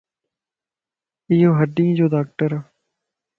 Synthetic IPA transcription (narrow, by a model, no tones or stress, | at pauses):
ɪjoːɦəɖĩːd͡ʒoːdaːk̚ʈəɾaː